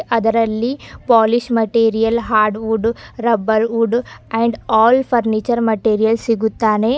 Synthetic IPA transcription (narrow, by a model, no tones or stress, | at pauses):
ɐd̪ɐɾɐlːipaːliʃmɐʈiːɾijɐlɦaːɾɖʋuɖɾɐbɐlʋuɖɛ̃ɳɖɔːlpʰɐɾnit͡ʃɐɾmɐʈeːɾijɐlsiɡut̪ːaːne